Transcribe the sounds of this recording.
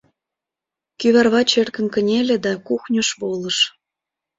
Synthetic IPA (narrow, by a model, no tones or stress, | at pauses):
kyβɑrβɑt͡ɕerkə̆nkə̆nʲelʲĕd̪ɑkuxnʲoʃβolə̆ʃ